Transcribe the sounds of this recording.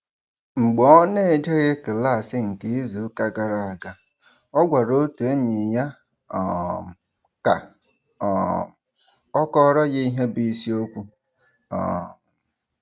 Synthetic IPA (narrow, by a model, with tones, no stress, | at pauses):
ŋ͡m̩˨ɡ͡bɔ˦ne˦e˨d͡ʒe˦ɣe˦ke˨la˦˨sɪ˦ŋ̩˨ke˦i˦zu˨˦ka˦ɡa˨ɾa˨a˨ɡa˨ | ɔ˦ɡʷa˨ɾo˦te˦ɲɪ˨ja˦ | ɔ˨ | ka̰˨ | ɔ˦kɔ˦ɾɔ˦ɣɪ˦i˦ɦe˦bi˦si˦o˦kʷu˦ | ɔ̰˨